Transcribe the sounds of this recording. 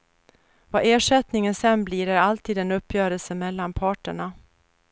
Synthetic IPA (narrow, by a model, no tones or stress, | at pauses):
vaʔeːʂɛt̪nɪŋənsɛnːbliːɾæɾalt̪ʰiːd̪ɛnɵpʰːjœːɾəlsəmɛlːanpʰɑːʈəɳa